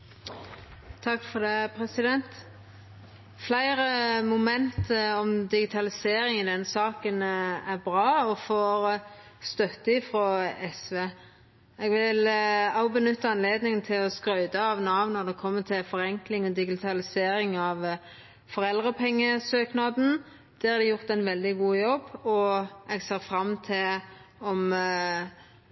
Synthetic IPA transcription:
t̪ʰɑkːfɔd̪epʰɾɛsɪd̪ɛnt̪ | flæɪɾəmʊmɛnt̪əɔmd̪ɪɡɪt̪ʰɑlɪseːɾɪŋɪd̪ɛnsɑːkənæʁbʁɑːɔfoːɾ | st̪œt̪ːəɪfɾɔɛsʋeː | ɛɡʋɪlɑʊbənʉt̪ːəɑnleːd̪nɪŋənt̪ʰɪlɔskɾœʏd̪əɑʋnɑʋnɔʁd̪ɛkʰɔmːət̪ʰɪlfɔɾɛŋklɪŋɔd̪ɪɡɪt̪ʰɑlɪseːɾɪŋɑʋ | fɔɾɛld̪ʁəpʰɛŋːəsøːknɑd̪n̩ | d̪̥ɛæɾd̪ɛjʊʁt̪ɛɪnʋɛld̪ɪɡuːjɔbːɔɛɡseːʁfɾɑmːt̪ʰɪlɔm

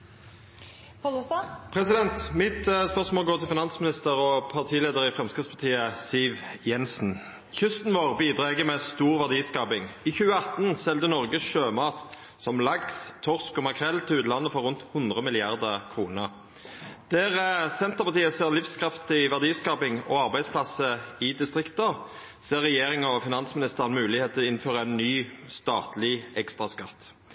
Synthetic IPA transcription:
pʰʁɛsɪd̪ɛnt̪mɪt̪spœʁsmoɔːlɡoːt̪ʰɪlfɪnɑnsmɪnɪst̪əʁɔpʰɑʁt̪ʰiːleːd̪əʁɪfʁɛmskɪt̪spʰɑt̪ʰiːəsiːʋjɛnsn̩ | çʏst̪nʋoːʁbiːd̪ʁɑːɛɡəmɛst̪uːʁʋæʁd̪iːskɑːpɪŋiːçʉːəɑt̪n̩sɛld̪ənɔʁɡəʃøːmɑːt̪ | sɔmlɑɡst̪ʰɔʁskɔmɑkʰʁɛlt̪ʰɪlʉːt̪lɑnːəfɔʁʉnt̪hʊnd̪ʁəmɪlɪɑʁd̪əkʰʁuːnəʁ | d̪̥æːʁsɛnt̪əʁpɑʁt̪iːəseːʁlɪfskʰɾɑft̪ɪʋæʁd̪iːskɑːpɪŋɔɑʁbæɪspʰlɑsəɪd̪ɪst̪ʁɪkt̪ə | seːʁːɛjeːʁɪŋɔfɪnɑnsmɪnɪst̪əʁənmʉːlɪheːt̪əɪnføːʁəæɪnːyːst̪ɑːt̪lɪɛkst̪ʁɑskɑt̪ː

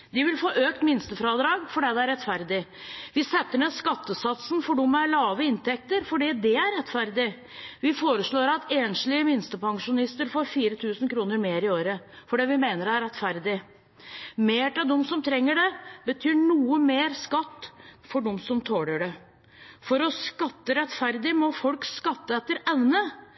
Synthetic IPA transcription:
d̪ɪʋɪlfoːʔøːk̚t̪mɪnst̪əfɾɑd̪ɾɑːɡfɔɖɛːd̪ɛæɾɛt̪ːfæɾd̪ɪʋɪsɛt̪ːəɳeːskɑt̪ːəsɑt̪sən̩fɔɖɔmæɾɭɑːʋəɪnt̪ʰɛk̚t̪əɾfɔɖiːd̪ɛæɾːɛt̪ːfæɾd̪ɪ | ʋɪfoːɾəʂɭoːɾɑt̪eːnʂlɪəmɪnst̪əpɑŋʂʊnɪst̪əɾfoːɾfiːɾət̪ʰʉːsnkʰɾuːnəɾmeːɾɪoːɾəfɔɖɛːʋɪmeːnəɾæɾɛt̪fæɾd̪ɪ | meːʈɛd̪ɔmsɔmt̪ʰɾɛŋːəɖɛbət̪ʰyːɳuːəmeːɾskɑt̪ːfɔɖɔmsɔmt̪ʰoːɽəɖɛ | fɔɾɔskɑt̪ːəɾɛt̪fæɾd̪ɪmɔfɔlkskɑt̪ːəɛt̪ːəɾɛʋnə

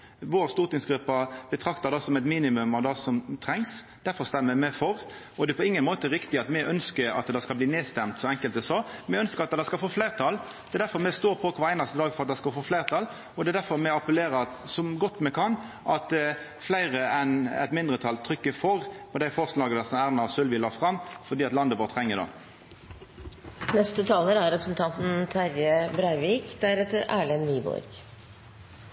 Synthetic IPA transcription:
ʋoːɾst̪uːʁt̪ɪŋsɡɾʉpːɑbət̪ʰɾɑkt̪ɑd̪ɑsɔmɛɪt̪miːnɪmʉmɑʋd̪ɑːsɔmt̪ʰɾɛŋs | d̪̥æɾfɔʁst̪ɛmːəmɛfɔɾ | ɔd̪ɛpʰɔɪŋːənmoːt̪əɾɪkt̪ɪɑt̪mɛʔœnskəɾɑ̰t̪d̪ɛskɑlbliːneːst̪ɛmt̪sɔɛŋkəlt̪d̪ɛsɔːmɛœnskəɾɑt̪d̪ɛɪskɑlfoːflæɪʁt̪ʰɑl | d̪̥ɛd̪æɾfɔɾmɛst̪oːɾpʰɔkʰʋɑːɾæɪnɑst̪əd̪ɑːɡfɔɾɑt̪̚d̪ɛɪskɑlfoːflæɪʁt̪ʰɑl | ɔd̪ɛd̪æɾfɔɾmɛɑpəleːɾəɾɑt̪sɔmɡɔt̪ːmɛkʰɑn | ʔɑt̪ | flæɪʁəɛnɛ̰t̪mɪnd̪ɾʁət̪ʰɑlt̪ʰɾʏkːəfɔʁpɔd̪æɪfɔʁslɑːɡəd̪əsɔmæːʁnɑsʉlʋɪːlɑːfʁɑmːfɔʁd̪iːɑt̪lɑnd̪əʋoːʁt̪ʰʁɛŋːəd̪o̰ | nɛst̪ət̪ʰɑːləɾæɾɛpɾəsn̩t̪ʰɑnt̪n̩t̪ʰæɾjəbɾæɪʋiːkd̪æɾɛt̪ːəɾæːɭɛnniːbɔ̰ɾɡ̥

